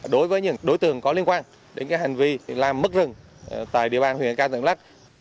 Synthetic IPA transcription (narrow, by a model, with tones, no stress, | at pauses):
ɗo˨˦jvəː˨˦jɲɨ̰˧˥˩ŋɗo˨˦jt̪ɨ˨˩əŋkɔ˨˦li˧ənkwaː˧n | ɗe˨˦nkaː˨˦jha˨˩jŋ̟vi˧laː˨˩mː˦˥k̚zɨ˨˩ŋ | t̪a̰ː˧˨jɗḭ˧˨əɓaː˧nhw̰ənkaː˧t̪ʰɨ˧˨ŋla˦˥k̚